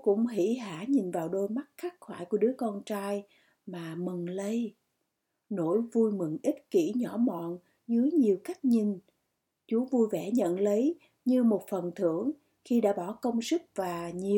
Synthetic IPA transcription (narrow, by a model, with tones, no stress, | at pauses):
kʊ̰˧˥ŋ͡mɦḭ˧˥ɦaː˧˩ɲi˨˩nvaː˨˩wɗo˧jma˦˥t̚xaː˦˥k̚xwaː˧˩jku˧˩əɗɨ˨˦əkɔ˧nt͡ɕaː˧j | maː˨˩mɨ˨˩ŋlə˧j | no˧˩˨jvu˧jmɨ˨˩ŋʔi˦˥t̚ki˧˩ɲɔ˧˩˦mɔ̰˧˨n | zɨ˨˦əjɲi˨˩əwka˦˥jk̚ɲi˨˩ŋ | t͡ɕu˨˦vu˧jvɛ˧˩ɲə̰˧˨nlə˨˦j | ɲɨ˧mo˨˩t̚fə˨˩nt̪ʰɨ˧˩˨əŋ | xi˧ɗa̰ː˧˥ɓɔ˧˩kə˧wŋ͡msɨ˦˥k̚vaː˨˩ɲi˨˩